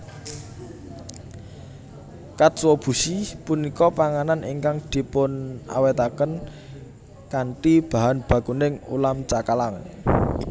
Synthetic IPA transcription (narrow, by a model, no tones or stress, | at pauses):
kat̪swɔb̥ṳsipunikɔpaŋananʔḭŋkaŋd̪̥i̤pʊna̰wɛt̪akən | kaɳʈib̥a̤ɦanb̥ä̤ɡ̥unɪŋṵlamt͡ʃakalaŋ